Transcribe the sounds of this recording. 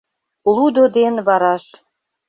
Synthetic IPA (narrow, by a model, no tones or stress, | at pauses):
lˠud̪od̪enβɑɾɑʃ